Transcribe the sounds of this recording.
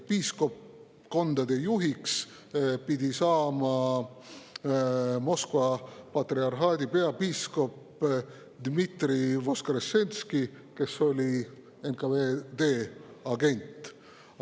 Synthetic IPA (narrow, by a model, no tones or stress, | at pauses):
pisko̞p | ko̞nd̪ɑd̪e̞juɦiks | pid̪isɑːmɑ | mo̞skvɑpɑt̪riɑrɦɑːd̪ʲipe̞ɑpiːsko̞p | d̪̥mit̪ɾivo̞skɑɾesːe̞nʲski | ke̞so̞lʲi | enkɑved̪̥e̞ːɑɡe̞nʲt̪ˑ